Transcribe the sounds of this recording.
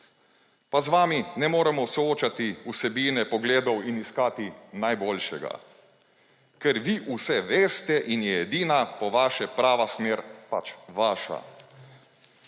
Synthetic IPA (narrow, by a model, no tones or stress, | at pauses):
pazʋaːminɛmoːɾɛmɔsɔoːt͡ʃat̪iusɛbiːnɛpɔɡleːd̪ɔwiniskaːt̪inajboːlʃɛɡa̰ | kɛɾʋiʔusɛʋeːst̪ɛʔinjɛɛd̪iːnapɔʋaːʃɛpɾaːʋasmeːɾpat͡ʃʋaːʃa̰